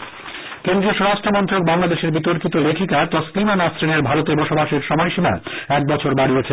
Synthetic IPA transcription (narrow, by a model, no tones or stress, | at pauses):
kend̪ɾioʃɔɾaʃʈɾomɔnt̪ɾok̚baŋlad̪eʃeɾbit̪oɾkit̪olekʰikat̪ɔslimanasɾineɾbʱaɾot̪ebɔʃobaʃeɾʃɔmɔjʃima̰ɛk̚bɔt͡ɕʰoɾbaɽiet͡ɕʰe